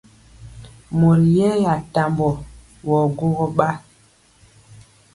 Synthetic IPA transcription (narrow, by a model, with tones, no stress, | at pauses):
mo˨ɾi˨jɛ˦ja˨ta˨mbɔ˨ | wɔ˨ɡo˦ɣɔ˦ɓa˦